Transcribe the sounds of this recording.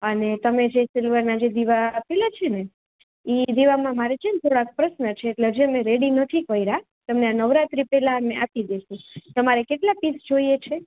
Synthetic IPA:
ənet̪əmed͡ʒesɪlʋəɾnad͡ʒed̪iʋaːpelat͡ʃʰene | id̪iʋamãmaɾed͡ʒemt̪ʰoɽak̚pɾəʃnət͡ʃʰeːʈled͡ʒemẽɾeɽinət̪ʰikəiɾa | t̪əmneanəʋɾat̪ɾipelaneʔapid̪eʃũt̪əmaɾekeʈlapisd͡ʒoiet͡ʃʰe

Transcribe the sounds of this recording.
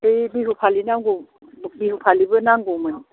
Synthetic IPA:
ebiɦupʰalinaŋɡo | biɦupʰalibɯnaŋɡomaŋ

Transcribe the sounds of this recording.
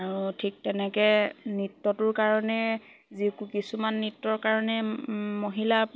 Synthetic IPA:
aɹutʰik̚tɛnɛkɛnitːɔtʊɹkaɹɔnɛ | zikukisumanːitːɔɹkaɹɔnɛmoɦila

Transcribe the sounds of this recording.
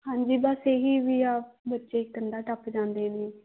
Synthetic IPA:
hãːɲd͡ʒiːbəseːɦiːʋiːaːpbətːʃeːkəɳɖaːʈəpd͡ʒãːnd̪eːneː

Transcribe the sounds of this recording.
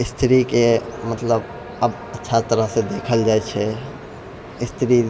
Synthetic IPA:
ɪst̪ʰɾikemət̪ləb | əb | ətːʃʰat̪əɾəɦsẽd̪ekʰəld͡ʒajt͡ʃʰɛ | ɪst̪ʰɾi

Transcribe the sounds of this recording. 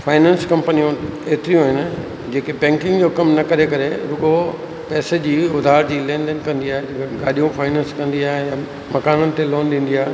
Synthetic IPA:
faːɪnɛ̃ːnskɐ̃mpənijõeːt̪ɾijũɦɪnɪ̆ | d͡ʑeːkebɛ̃ːŋkɪ̃ŋɡd͡ʑoːkɐmnɐkɐɾekɐɾeɾʊɠo | pɛːsed͡ʑiːʊd̪ʱaːɾd͡ʑiːlɛ̃ːnɖənkɐ̃nd̪iaːɦed͡ʑkɡaːɗijũfʰaːɪnẽːnskɐ̃nd̪iaːɦeja | mɐkaːnənɪ̆t̪eloːnɗĩːn̆d̪iaːɦe

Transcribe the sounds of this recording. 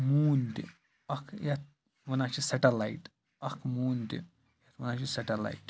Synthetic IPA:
muːnt̪ḭ | ɐkʰjɐt̪̚ | ʋɐnaːt͡ʃʰisɐʈɐlaiʈ | ɐkʰmuːnt̪ḭ | jɐt̪ʋɐnaːt͡ʃʰisɐʈɐla̰iʈ

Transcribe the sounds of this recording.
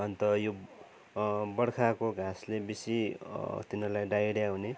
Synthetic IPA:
ʌnt̪ʌjo | bʌɽkʰakoɡʱaslebisit̪inʌrlajɖajɽjawne

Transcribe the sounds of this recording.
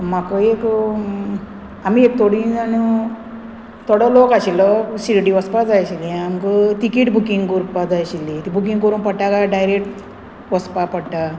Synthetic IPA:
makɔek | amiek̚t̪ʰoɽiani | t̪ʰɔɽɔlokaɕilɔɕiɾʈiʋəspad͡zajɕiliamkət̪ikiːʈbʱukiŋɡkuɾpad͡zajɕilːit̪ibʱukiŋɡkoɾuːnpəʈakaɖajɾek̚ʈ | ʋəspapəɽʈa

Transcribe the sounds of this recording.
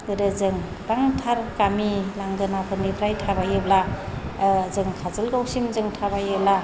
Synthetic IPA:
ɯɾɯzɯŋ | ɾaŋtʰaɾkamilaŋɡɯnapʰɯɾmipʰɾajtʰabajɯbla | zɯŋkʰazɯlɡawsimzɯŋtʰabajɯbla

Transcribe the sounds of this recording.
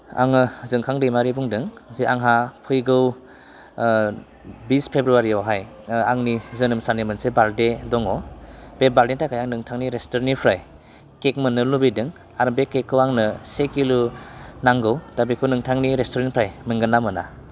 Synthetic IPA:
a̰ŋɯzɯŋkʰaŋdɯjmaɾibuŋdɯŋziaŋɦapʰɯjɡɯw | bispʰebɾuaɾiɔɦaj | aŋnizɯnɯmsanimɯnsebaldedɔŋɔb̥ebaldetajkʰajaŋnɯŋtʰaŋniɾestɔɾnipʰɾaj | kek̚mɯnːɯlubidɯŋ | aɾbekekʰːɯwaŋnɯsekilunaŋɡɯwd̥abikʰunɯŋtʰaŋniɾestɔɾenpʰɾajmɯŋɡɯnːamɯna̰

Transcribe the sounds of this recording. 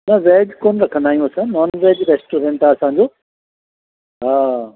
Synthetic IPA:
nɐʋeːd͡ʑkonɾɐkʰə̃nd̪aːɦijũɐsə̃nɔːnɾeːd͡ʑɾeːsʈuɾẽɳʈaɐsãːɲd͡ʑoː | ɦa

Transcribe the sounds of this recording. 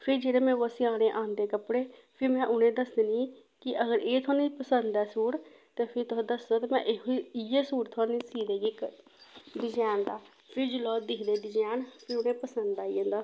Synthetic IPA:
pʰɪɾd͡ʒeːɾeːmɛ̃ːʋəsiaːɽẽːʔãːnd̪eːkəpɽeːpʰɪɾmɛ̃ːʔʊn̤ẽːd̪əsd̪eniː | kɪʔəɡəɾeːt̪ʰoːnĩpəsə̃nd̪ɛːsuːɽ | t̪eːpʰɪɾt̪od̪əsd̪ot̪eːmɛ̰̃ːʔeiɪjeːsuːɽt̪ʰoːnisiːd̪eːɡeːk | ɖɪd͡ʒɛːnd̪aː | pʰɪɾd͡ʒolɔːd̪ɪkʰd̪eːɖɪd͡ʒɛːnpʰɪɾʊn̤ẽːpəsə̃nd̪aːiẽːnd̪aː

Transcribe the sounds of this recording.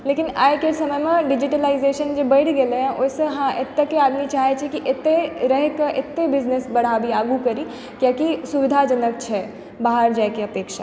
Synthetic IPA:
leːkɪnaːjkesɐməjmẽɖɪd͡ʒɪʈəlaːɪzeːʃənd͡ʒobɐɽɡɐleɦɛ̃ʔʊseɦãʔɪt̪ːekeaːd̪mit͡ʃaːɦet͡ʃʰekiʔɪt̪ːeɾɛɦkəʔɪt̪ːebɪznesbɐɽ̤aːbiaːɡukɐɾi | kjaːkisʊʋɪd̪ʱad͡ʒɐnək̚t͡ʃʰɛ | baːɦəɾd͡ʒaːekeɐpeːkʃa

